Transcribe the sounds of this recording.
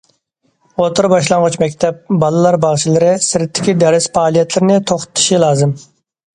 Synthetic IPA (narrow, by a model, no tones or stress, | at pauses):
ot̪ʊɾbɑʃlˠɑɴʁʊt͡ʃmɛkʲt̪ʰɛp̚bɑlˠɨlˠɑɾbɑʁt͡ʃʰilˠɨɾɪsɪɾɪt̪ʰːɪ̥kʲid̪ɛɾɪsfɑːlˠijɛt̪lɪɾɪnɪt̪ʰoχt̪ʊ̥t̪ʰːu̥ʃilˠɑːzɨm